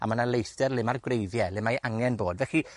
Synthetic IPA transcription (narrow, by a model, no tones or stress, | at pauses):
a̰manalˠejθtɛrlˠɪmarɡwrejðjɛlɪmajʔaŋɛnboːdvɛxi